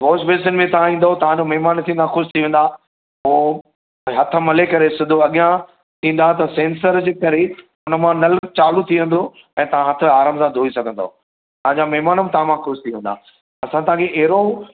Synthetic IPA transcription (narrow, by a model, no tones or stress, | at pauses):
ɦoːsbeːs̬ənɪmẽt̪ɐɦãĩːn̆d̪aot̪ɐʋ̤ãd͡ʑomɐɦmaːnt̪ʰĩːn̆d̪ãxʊʃt̪ʰiʋẽːn̆d̪a | ɦoː | ɦɐt̪ʰə̆mɐlekɐɾesɪd̪ʱoɐɠijã | t̪ʰĩːn̆d̪at̪ɐsẽːnsəɾd͡ʑeːkɐɾe | ʊnə̆mãnɐlt͡ɕaːlut̪ʰiʋẽːn̆d̪o | ɛ̃ːt̪ɐʋ̤ãɦɐt̪ʰə̆aːɾəːmsãd̪ʱoːisɐɡʱə̃nd̪a̰o | t̪ɐɦãɲd͡ʑamɐɦmaːnəmẽt̪ɐãmãxʊʃt̪ʰiʋẽːnd̪a̰ː | ɐsãt̪ɐɦãkʰeʔɛɦɾo